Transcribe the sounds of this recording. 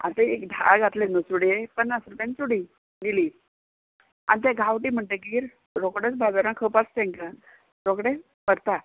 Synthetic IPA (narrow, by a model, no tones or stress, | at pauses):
a̰t̪eekd̪ʱa̰ɡʱat̪lenəsuɽepənːəsəɾpẽnt͡suɽi | d̪iliː | a̰nt̪eɡʱawʈiːm̤əɳʈeɡiːɾ | ɾokɽet͡sbad͡zəɾãkʰəpast̪ẽŋkə | ɾokɽe | pəɾt̪a